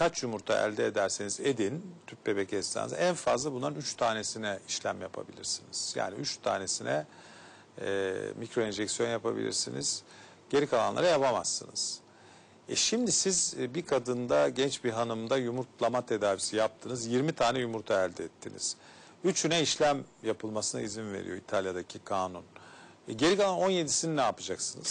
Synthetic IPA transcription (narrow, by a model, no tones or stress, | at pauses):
kʰat͡ʃjumuɾt̪ʰa̰ʔæ̰lʲd̪ɛːd̪æɾsinized̪int̪ʰyp̚be̞becɛst̪a̰nz̰ænfazlˠabunlˠaɾɯnyt͡ʃt̪ʰaːne̞sinɛiʃlʲæmjapʰa̰bḭlʲiɾsiniz̥ja̰ːniyt͡ʃt̪ʰa̰ːne̞sinɛ | micɾo̞ind͡ʒɛksijo̞njapʰabḭlʲḭɾsinḭz̥ | ɟ̥e̞ɾikʰalˠanlˠa̰ɾajapamasːɯ̰nɯz̥ | ɛ̰ʃimd̪isizbikʰad̪ɯnd̪aɟɛnt͡ʃbiɦanɯmd̪ajumuɾt̪lˠamat̪ʰe̞d̪aːvisijap̚t̪ʰɯnɯzjiɾmit̪ʰaːnɛjumuɾt̪ʰaælʲd̪ɛɛt̪ʰːinḭz̥ | yt͡ʃʰynɛiʃlʲæmjapʰɯlˠmasɯna̰izinve̞̰ɾḭjo̞it̪ʰalʲjad̪acʰikʰaːnun | ɟe̞ɾikalˠano̞nje̞d̪isininaːpɯd͡ʒaksɯnɯz̥